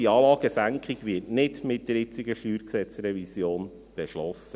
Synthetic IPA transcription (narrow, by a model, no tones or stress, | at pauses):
iɑːlɑːɡ̥əsæŋkχiɡʋɪtnɪdmɪt̚d̥əɾɪt͡sɪɡəfyːɾksɛt͡sɾɛvisjoːn | b̥ɛʃlɔsːə